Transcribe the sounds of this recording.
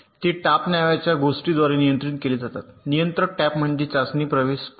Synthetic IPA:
t̪iːʈapnjaʋat͡ɕjaɡosʈiːd̪ʋaɾenijənt̪ɾiːnkeliːd͡zat̪at̪nijənt̪ɾəʈæpm̤əɳd͡ʑet͡sasniːpɾəʋeːs

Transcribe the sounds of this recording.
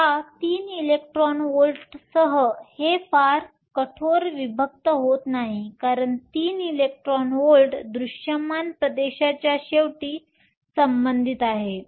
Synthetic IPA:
hat̪iːnilek̚ʈɾɔnolʈsəɦəhefaɾ | kəʈʰoɾʋibʱək̚t̪əɦot̪naɦikaɾəɳt̪iːnilek̚ʈɾɔnʋolʈd̪ɾuɕjəmanpɾəd̪eɕat͡ɕjaɕeʋʈiː | səmbənd̪ʱit̪aɦe

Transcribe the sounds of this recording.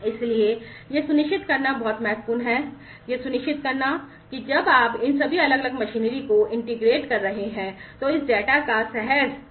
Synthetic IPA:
ɪsliejesʊnɪʃɪt̪kɐɾnabɔːt̪mɛɦt̪puːnɦɛː | jesʊnɪʃt͡ʃɪt̪kɐɾna | kid͡ʒɐbaːpɪnsɐbʱiɐləɡɐləɡmɐʃiːnɾikoʔɪ̃ɳʈɪɡɾeːʈkɐɾːɐɦeɦɛ̃ːt̪oɪsɖɛːʈakasɛɦɛɾ

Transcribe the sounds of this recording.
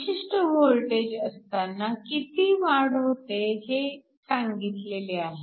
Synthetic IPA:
ɕiʂʈəʋolʈed͡ʑəst̪anːakit̪iːʋaɽɦot̪eɦe | saŋɡit̪leleaɦe

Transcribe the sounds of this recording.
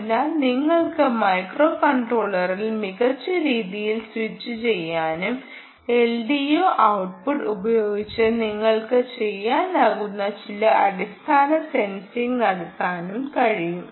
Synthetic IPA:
ɐnːaːlniŋːɐɭkɨmɐjkro̞ːkɐɳʈro̞ːɭɐrilmiɣɐrt͡ɕːɨɾiːðijilswit͡ɕːɨt͡ɕe̞jːaːnum | e̞lɖijoːʔɐwʈ̚puɖubɐjo̞ːɡit͡ɕːɨniŋːɐɭkɨt͡ɕe̞jːaːnaːɣunːɐt͡ɕilɐɐɽist̪ʰaːnɐse̞nsiŋɡnɐɽɐt̪ːaːnumkɐɻijum

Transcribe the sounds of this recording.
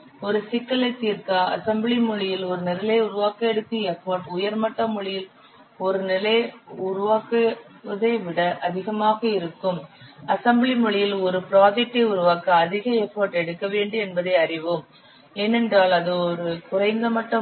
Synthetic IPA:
ɔɾɯsɪkːɐlɐɪt̪iːɾkaːɐ̰sɐmbɭimʊɭɪjɪlɔɾɯnɪlɐlɐʊɾʊʋaːkɐɛɽɯt̪ːɯɛfoːɾʈʊjɐɾmɐʈːɐmʊɭɪjɪl | ɔɾɯnɪlɐɪʊɾʊʋaːkɐ | ɐðɐɪʋɪɽɐʔɐðɪɣɐmaːɣɐɪɾɯkːɯmɐsɐmbɭimʊɭɪjɪlɔɾɯpɪɾaːd͡ʒɛk̚ʈːɐɪʊɾɯʋaːkɐːðɪɣɐɛfoːɾʈɛɽɯkːɐʋeːɳɖɯɛnbɐðɐɪɐrɪʋɯm | ɛnɛndraːlɐðɯɔɾɯkʊɾɐɪŋɡɐmɐʈːɐ

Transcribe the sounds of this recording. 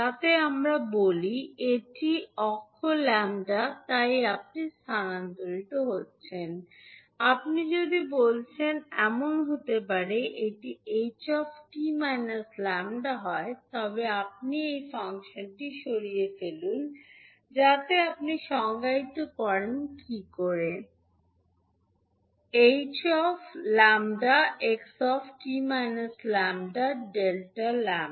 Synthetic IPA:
at̪eamɾabolieʈiɔkʰːolɛmɖat̪ajap̚nist̪ʰanant̪oɾiʈ̪oɦotːɕʰen | apnid͡ʑod̪ibolt͡ɕʰenɛmonɦot̪epaɾeʔeʈiet͡ɕɔfʈimajnaslɛmɖaɦɔet̪ɔbeap̚niejfaŋʃonʈiʃoɾijefelun | d͡ʑat̪eap̚niʃɔŋɡait̪okɔɾenkikoɾe | ejt͡ɕɔflamɖaeksɔfʈimajnaslamɖaɖelʈalam

